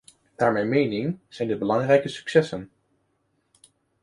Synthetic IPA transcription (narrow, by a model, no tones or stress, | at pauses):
d̥aːɹmɛjnmejnɪŋz̥ɛjndəbəlɑŋrɛjkəsy̥ksɛsən